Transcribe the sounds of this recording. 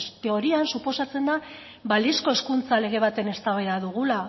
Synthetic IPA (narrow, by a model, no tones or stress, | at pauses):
t̪e̞o̞ɾiansupo̞sat͡se̞nd̪a | balisko̞e̞skunt͡sale̞ɣ̞e̞β̞at̪e̞ne̞st̪aβeðaðuɣ̞ula